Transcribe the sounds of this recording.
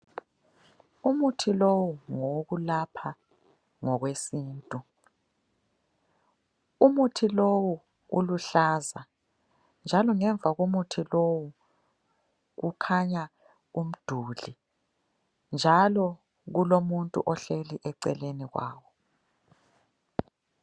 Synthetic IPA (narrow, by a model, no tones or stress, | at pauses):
umutʰilowuŋoɣulapʰa | ŋɔɣwesiːntʼu | umutʰilowu | ṵluɬaːza | nd͡ʒʱalɔŋɛɱvʱaɣumutʰilowu | ɣukʰaɲa | um̩d̥ʱuːɮi | nd͡ʒʱalɔ | ɣulomuntʼṵʔɔɬeliʔɛǀɛleniɣwa̰ːwɔ